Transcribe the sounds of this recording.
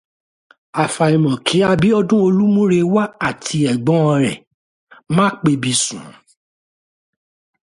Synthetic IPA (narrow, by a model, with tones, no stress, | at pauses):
a˨fa˨i˨mɔ̃˨kʰĩ˨˦a˧bi˨˦ɔ˧dũ˦o˧lu˦mũ˦ɾe˧wa˦a˨tʰi˧ɛ˨ɡ͡bɔ̃˨˦ɔ˧ɾɛ̰˨ | mãː˦k͡pe˧bi˧sũ˨˦